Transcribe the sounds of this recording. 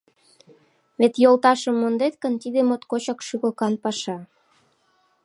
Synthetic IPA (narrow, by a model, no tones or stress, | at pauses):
βet̪jolt̪ɑʃəmːond̪et̪kənt̪id̪emot̪kot͡ɕɑkʃuɣɤkɑnpɑʃɑ